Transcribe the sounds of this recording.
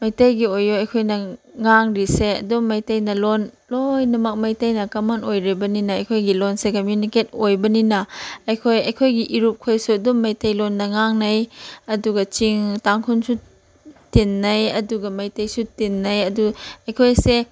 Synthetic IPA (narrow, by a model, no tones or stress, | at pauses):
mɐjtɐjɡiojojɐjkʰojnɐŋaŋɾiseɐ̰dumːɐjtɐjnɐlon | lojnɐmɐk̚mɐjtɐjnɐkɐmanojɾibɐninɐɐjkʰojɡilonsekɐmjuniket̚ojbɐninɐɐjkʰojɐjkʰojɡiʔiɾup̚kʰojsuɐdumːɐjtɐjlonːɐŋaŋnɐjɐduɡɐt͡ʃiŋtaŋkʰunsu | tinːɐjɐduɡɐmɐjtɐjsutinːɐjɐduɐjkʰojse